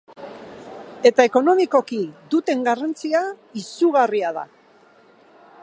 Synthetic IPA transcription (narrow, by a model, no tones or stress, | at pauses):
e̞t̪aeko̞no̞miko̞kiðut̪e̞ŋɡarant͡siaisuɣariaða̰